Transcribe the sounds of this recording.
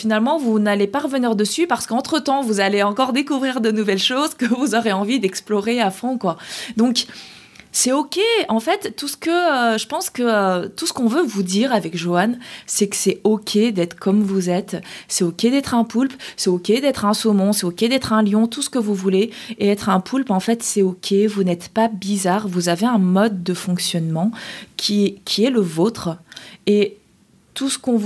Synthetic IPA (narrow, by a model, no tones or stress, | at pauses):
finalmɑ̃vunalepaʁəvəniʁd̪əsypaʁsə̥kɑ̃t̪χət̪ɑ̃vuzaleɑ̃kɔʁd̪ekuvʁiʁd̪ənuvɛlʃozkəvuzɔʁeɑ̃vid̪ɛksplɔʁeafɔ̃kwad̪ɔ̃k | sɛokʲeɑ̃fɛt̪ːusə̥kəʒəpɑ̃skəøt̪usə̥kɔ̃vøvud̪iʁavɛkʒoansɛkə̥sɛɔkʲʰed̪ɛt̪χə̥kʰɔmvuzɛt̪sɛokʲed̪ɛt̪χɛ̃pulpsɛokʲed̪ɛt̪χɛ̃somɔ̃sɛokʲed̪ɛt̪χɛ̃ljɔ̃t̪usə̥kəvuvuleeɛt̪χɛ̃pʰulpɑ̃fɛt̪sɛokʲʰevunɛt̪pabizaʁvuzaveɛ̃mɔd̪ːəfɔ̃ksjɔnmɑ̃kʲʰikʲʰiɛləvot̪χe | t̪usə̥kɔ̃v